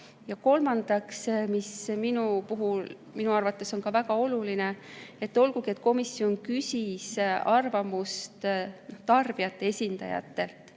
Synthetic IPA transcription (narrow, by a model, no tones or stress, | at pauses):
jɑko̞lmɑnd̪̥ɑksmisminupuɦul | minuɑrvɑt̪ːˑe̞so̞nkɑvæɡ̥ɑo̞luline̞e̞t̪ːo̞lɡuɡie̞t̪̚ːˑko̞misːjo̞nkysʲisɑrvɑmust̪noht̪ɑrb̥iɑt̪ːˑe̞e̞sʲind̪̥ɑ̰jɑ̰t̪ːe̞lt̪ˑ